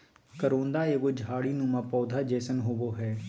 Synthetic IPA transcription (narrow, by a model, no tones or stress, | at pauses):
kəɾõːnd̪aːeːɡod͡ʒʱaːɽinũːmãːpɔːd̪ʱaːd͡ʒɛːsənɦoːboːɦɛː